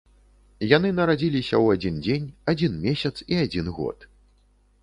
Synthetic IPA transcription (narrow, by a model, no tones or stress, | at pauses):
janɨnɐɾad͡zʲilʲisʲɐ̰wad͡zʲind͡zʲenʲad͡zʲinmʲesʲɐt̪siad͡zʲinɣɔ̰t̪